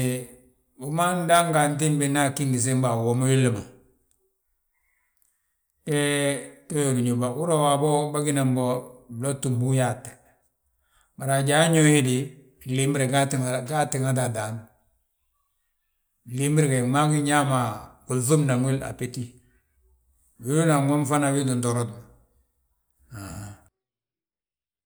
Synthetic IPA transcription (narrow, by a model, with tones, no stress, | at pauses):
bu˨ma˦n˦da˦ŋɡa˨n˦t̬i˦nbi˦na˦ki˦ŋɡi˨s̬e˦m˦ba˨wo˨ma˦wi˦lːi˨ma˨ | ke˦to˦jo˨ɾi˨ɲu˨ba˨wu˦ɾo˦wa˨bo˦ba˦ɡi˦na˨mbo˦blo˦tu˨mbu˦ja˦˨t | ba˨ɾa˨ɟa˨˦ɲo˦hi˦di˨ | li˦mbi˦ɾe˨ɡa˦tɡa˦ti˨ŋa˦ta˨da˨n˨ | li˦mbi˦ɾke˨ma˦ŋi˦ɲa˦ma˨ku˨zu˦mna˨ŋwi˦la̰˨pe˦ti˦ | wi˦u˦na˨ŋo˦mfa˦na˨wi˦du˨ndo˨ɾo˦t | a˨a˨